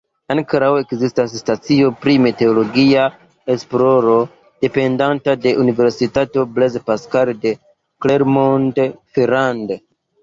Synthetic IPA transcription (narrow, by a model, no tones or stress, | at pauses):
ankɾawe̞kzistas̬ːtat͡sio̞pɾimete̞olo̞ɡia | espɾo̞ɾo̞ | d̥e̞pe̞ndantade̞ʔunive̞ɾsitato̞blezpaskalde̞ | kleɾmontfeɾande